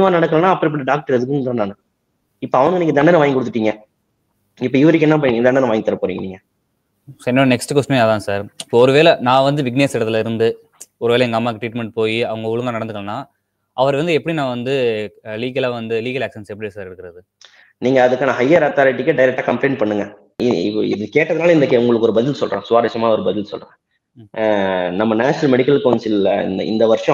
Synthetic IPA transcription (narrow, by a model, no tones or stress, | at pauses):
maːnɐɽɐkːɐɭɐ̃nːãːɐpːɐɽɪpːɐʈːiɖaːk̚ʈɐɾɛðɯk̬ːɯnt̪ɐnːaːnɐ | ɪpːoɐʋɐnɯɡɐniːŋɡɐd̪ɐɳɖɐnɐʋaːjŋɡkːɔɽɯt̪ːɯʈːiːŋɡɐ | ɪpːoɪʋɐɾɯk̬ːɯɛnːapɐnːiːŋɛd̪ɐɳɖɐnɐʋaːŋɡt̪ɐɾɐpoːɾḭŋɡɐniːŋɡɐ | sɪnːɐnɛksʈɯkɐsʈɐmeɐðãːsaːɾɪpːoɔɾɯʋeːlɛnãːʋɐnd̪ɯʋɪɡneːsɪɽɐt̪ːɪlɪɾɯnd̪ɯ | ɔɾɯʋeːlɐɛŋɡɐːmːaːkʈɾiːʈmɛɳʈ̚poːjiɐʋɐŋɡɐʊɭɯŋɡaːnɐɽɐnd̪ɯkɐɭɐnːãː | ʔɐʋɐɾʋɐnd̪ɯɛpːɐɽinãːʋɐnd̪ɯliːɣɐlaːʋɐnd̪ɯliːɣɐlaːksɛnsɛpːɐɽiesaːɾɪɾɯkːɪɾɐðɯ | niːŋɡɐːðɯkːaːnɐɦɐjːaɾɐt̪aːɾɪʈ̬ːikːeɖɐjɪɾɛk̚ʈaːkɐmpleɪɳpɐɳːɯŋɡɐ | ɪɪɪðɯkeːʈːɐðɐnaːlɐɪnd̪ɐkʊŋɡɐɭɯkːɔɾɯbɐðɪlsɔlrã̰ːsʊʋaːɾɐʂɐmaːɐɔɾɯbɐðɪlsɔ̰lrɾaẽː | nɐmːɐnaːʃɪnɐlmɛɽɪkːɐlkːʋɐnsɪl̰nɪ̰nd̪ɐʋɐɾʂɐ̃